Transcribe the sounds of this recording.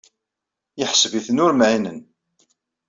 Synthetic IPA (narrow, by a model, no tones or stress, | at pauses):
jəħsviθnʊɾmʕinən